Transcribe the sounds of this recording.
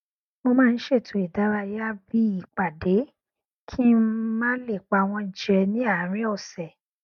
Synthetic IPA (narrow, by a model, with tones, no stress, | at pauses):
mo˧mãː˦˧n̩˦ʃe˦˨tʰũ˨˦i˦˨da˨˦ɾa˧ja˦bi˦i˦˨k͡pa˨de˨˦ | kʰi˦mãː˦le˦˨k͡pa˧˨w̃ɔ̃˧i˨d͡ʒɛ˧nĩ˦a˦˨˦ɾ̃ĩ˦ɔ˦˨sɛ˨